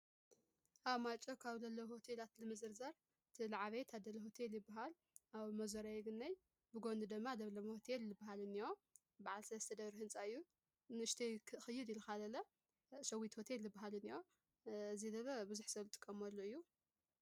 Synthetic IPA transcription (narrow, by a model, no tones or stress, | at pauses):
ʔaβmat͡ʃʼokʰaβzɐlːɐwhot̪ʰe̞lat̪lɨmɨzɨɾzɐɾ | ɨt̪ʰilaʕaβet̪ʰad̪ɐlɐɦo̞t̪ʰeljɪbːaɦal | ʔaβmɐzɐɾajɡɨnːɐj | bɨɡond̪ɨd̪ɨmːad̪ɐβlɐmhot̪ʰelːɨbaɦalɨnːio | baʕalsɐlɐst̪ʰɐd̪ɐβɾihɨnt͡sʼaɨjːu | nɨɨʃt̪ʰɐjkʰɨxɨjːɪd̪ilukalɐlɐ | sɐwit̪ho̞t̪ʰe̞lːɨbːaɦalɨnijo | ɨzid̪ɐlɐbɨzuħsɐlut̪ʼɨ̥kʼːɐmɐlːoɨjːu